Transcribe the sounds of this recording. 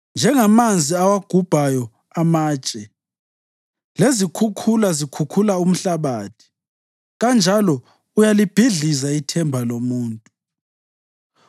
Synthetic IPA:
nd͡ʒʱɛŋamand͡zʱiawaɡ̥ʱub̥ʱajɔ | amaːt͡ʃʼɛ | lezikʰukʰulazikʰukʰulaum̩ɬaβaːtʰi̥ | ɣand͡ʒʱalɔ | ujalib̥ʱiɮizaitʰɛmbʱalomuːntʼu

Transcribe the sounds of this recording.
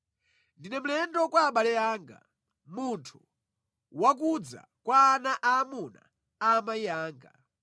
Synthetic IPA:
ndinɛm̩lɛndɔkwaːɓalɛaːŋɡa̰ | muntʰu | wak̬ud͡za̰ | kwaːnaʔaːmuna̰ | amaijaːŋɡa̰

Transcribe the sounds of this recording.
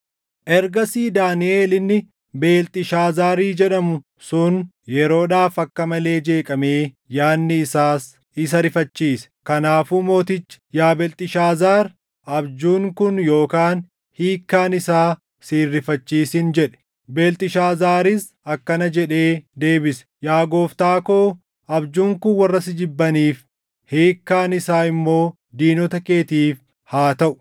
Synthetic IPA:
ʔɛɾɡɐsiːd̪aːnɪʔe̞ːlɪnːɪ | be̞ːlt̪ʼɪʃaːzaːɾiːd͡ʒɛᶑɐmʊ | sʊn | jɛɾo̞ːᶑaːfɐkːɐmɐle̞ːd͡ʒe̞ːkʼɐme̞ː | jaːnːɪːsaːs | ɪs̬ɐɾɪfɐt͡ʃːiːsɛ̥kɐnaːfuːmo̞ːt̪ɪt͡ʃːɪ̥jaːbɛlt̪ʼɪʃaːzaːɾ | ɐbd͡ʒuːŋkʊnjo̞ːkaːn | hiːkːaːnɪsaː | siːrːɪfɐt͡ʃːiːsɪnd͡ʒɛᶑɛ̥ | beːlt̪ʼɪʃaːzaːɾɪs | ɐkːɐnɐd͡ʒɛᶑe̞ːd̪e̞ːbɪsɛ̥jaːɡo̞ːft̪aːkoː | ɐbd͡ʒuːŋkʊnwɐrːɐsɪd͡ʒɪbːɐniːf | hiːkːaːnɪsaːɪmːo̞ː | d̪iːnɔt̪ɐke̞ːt̪iːf | haːt̪ɐʔʊ̥

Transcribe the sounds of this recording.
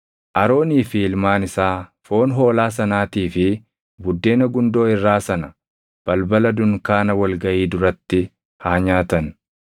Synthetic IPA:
ʔɐɾo̞ːniːfɪɪlmaːnɪsaːfo̞ːnɦo̞ːlaːs̬ɐnaːt̪iːfɪ | bʊd̪ːe̞ːnɐɡʊnd̪o̞ːɪrːaːsɐnɐ | b̥ɐlbɐlɐd̪ʊŋkaːnɐwɐlɡɐʔiːd̪ʊɾɐt̪ːɪ | haːɲaːt̪ɐn

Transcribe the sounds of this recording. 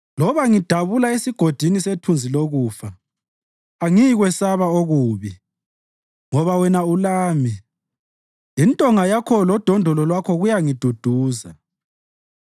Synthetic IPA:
lɔβaŋid̥ʱaβulaesiɡ̥ʱod̥ʱinisetʰund͡zʱiloɣuːfaː | ŋiɣwɛsaβaoɣuːβi | ŋɔβawɛnaulaːmi | intʼɔŋajakʰɔlɔd̥ʱɔndʱɔlɔlwakʰɔɣujaŋid̥ʱud̥ʱuːza

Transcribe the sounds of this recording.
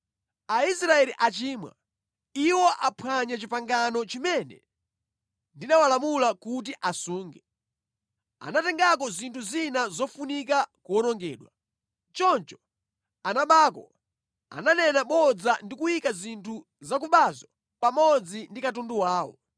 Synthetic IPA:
aisɾaɛliʔat͡ʃiːmwa̰ | iwɔʔapʰwaɲat͡ʃipaŋɡanɔt͡ʃimɛnɛ̰ | ndinawalamulakut̬iʔasuːŋɡɛ | a̰natɛŋɡakɔzintʰuzinazɔfunik̬akuwɔnɔŋɡɛːɗwa | t͡ʃɔnt͡ʃɔ̥ | anaɓaːkɔ̰ | a̰nanɛnaɓɔd͡zandikujikazintʰu | zakuɓazɔ | pamɔd͡zindikatunduwaːwɔ̰

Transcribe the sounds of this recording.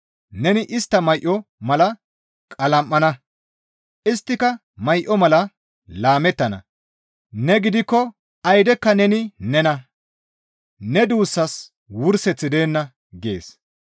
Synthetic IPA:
nɛnɪʔɪst̪ːɐmɐjʔɔmɐlɐ | kʼɐlɐmʔːɐnɐ | ʔɪst̪ːɪkɐ | mɐjʔɔmɐlɐ | laːmɛt̪ːɐnɐ̰ | nɛɡɪd̪ɪkːɔ | ɐjd̪ɛkːɐnɛnɪnɛnɐ | nɛd̪uːsːɐs | wʊɾsɛt͡sːɪd̪e̞ːnːɐ | ɡḛːs

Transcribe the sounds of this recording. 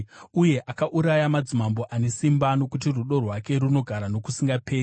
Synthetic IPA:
uje̞ʔakaʔuɾajamad͡zimambo̞ʔane̞simbano̞kut̬iruɗo̞rwake̞ɾuno̞ɡʱaɾano̞kusiŋɡapeːi

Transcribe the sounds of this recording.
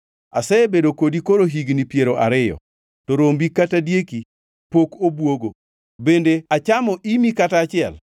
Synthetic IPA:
a̰sɛbedokodikoɾoɦiɡnipjeɾoʔa̰ɾɪjɔ̰ | tɔɾombikatadjeki | pokobwoɡo | bendeat͡ʃamɔʔimikataːt͡ʃɪɛ̰l

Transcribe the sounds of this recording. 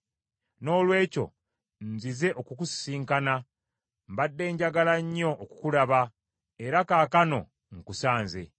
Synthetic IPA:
no̞ːlwe̞ːco̞̰ | nzize̞ʔokukusi̥siːŋkana | mbadːe̞ːɲɟaɡalaɲːo̞ʔːku̥kulaβa | eɾakaːkano̞̰ | ŋkusaːnze̞̰

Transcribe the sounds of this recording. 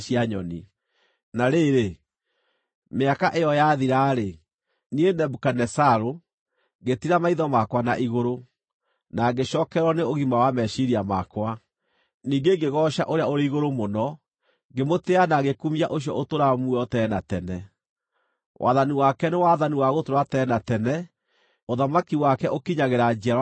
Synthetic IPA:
ʃiaɲɔni | naɾeɾe | meakaʔejɔjaðiɾaːɾe | nienɛbukanɛsaɾo | ɡetiɾamaiðɔmakwana̰ʔiɣoɾo | naɡeʃɔːkɛɾwɔneoɣimawamɛɕiɾiama̰kwa | niːŋɡeɡeɣɔɕa̰ʔoɾeaoɾeiɣoɾomonɔ | ɡemoteanaɣekumiaʔoɕ̬jɔ̰ʔotoɾamuɔtɛnatɛnɛ | wʔa̰ðaniwakɛnewaðaniwaɣotoɾwatɛːnatɛnɛ | oðamakiwakɛʔokiɲaɣeɾad͡ʒiaɾ

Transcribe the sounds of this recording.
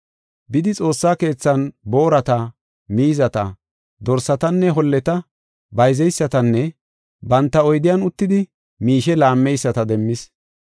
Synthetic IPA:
bɪd̪ɪt͡sʼo̞ːsːaːke̞ːt͡sːɐnbo̞ːɾɐt̪ɐ | miːzɐt̪ɐ̰ | d̪ɔɾsːɐt̪ɐnːɛɦɔlːɛt̪ɐ | bɐjzɛjsːɐt̪ɐnːɛ | bɐnt̪ːɐɔjd̪ɪjanʊt̪ːɪd̪ɪ | miːʃɛlaːmːɛjsːɐt̪ɐd̪ɛmːɪs

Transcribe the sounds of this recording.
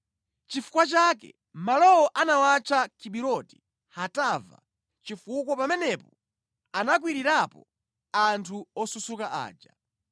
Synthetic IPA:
t͡ʃifu̥kwat͡ʃakɛ̰ | malɔwɔʔanawat͡ʃʰakʰiɓiɾɔti̥ | hatava̰ | t͡ʃifukwɔpamɛnɛpɔ | anak̬wiɾiɾapɔ | antʰuɔsusukaʔa̰ːd͡ʒa

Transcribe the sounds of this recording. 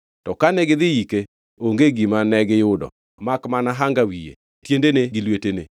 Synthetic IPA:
tɔkanɛɡɪðɪike | oŋɡeɡimanɛɡɪjʊdɔ̰ | makmanaɦaŋɡawijḛ | tjendeneɡɪlwetene

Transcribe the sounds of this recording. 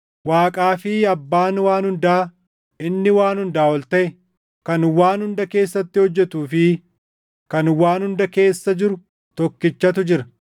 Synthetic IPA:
waːkʼaːfɪɐbːaːnwaːnhʊnd̪aː | ɪnːɪwaːnhʊnd̪aːwɔlt̪ɐʔɛ | kɐnwaːnhʊnd̪ɐke̞ːsːɐt̪ːɪhɔd͡ʒːɛt̪uːfɪ | kɐnwaːnhʊnd̪ɐke̞ːsːɐd͡ʒɪɾʊ | t̪ɔkːɪt͡ʃːɐt̪ʊd͡ʒɪɾɐ

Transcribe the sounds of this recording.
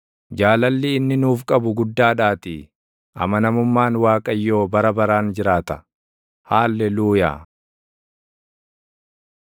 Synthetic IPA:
d͡ʒaːlɐlːiːnːɪnuːfkʼɐbʊɡʊd̪ːaːᶑaːt̪ɪ | ʔɐ̰mɐnɐmʊmːaːnwaːkʼɐjːo̞ːbɐɾɐbɐɾaːnd͡ʒɪɾaːt̪ɐ | haːlːɛluːja̰ː

